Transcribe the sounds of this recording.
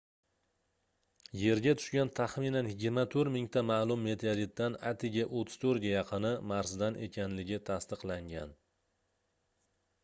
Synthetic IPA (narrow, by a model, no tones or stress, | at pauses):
je̞ɾɡʲat̪ʰʊ̥ʃkʲant̪ʰaχminanjɪɡʲɪɾmat̪ʰɵɾmɪŋt̪ʰamaːlˠʊmːe̞t̪ʰaɾit̪̚ːana̰t̪ʰɪɡʲaʔot̪ʰːɪ̥z̥t̪ʰɵɾɡʲajɑqʰɨnɪmaɾzd̪anʔe̞̰kʲʰanlɪɡʲɪt̪ʰast̪ɨqlˠaŋɡʲa̰n